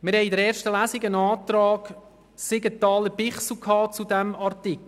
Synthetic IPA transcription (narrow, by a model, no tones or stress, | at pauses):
mɪɾhɛɪidəɾɛːɾʃtəlæsɪɡənɑːt̪rɑːɡ̥ | sɪɡətɑːləbɪχsl̩kʰɑːt͡sudɛmɑrtɪkl̩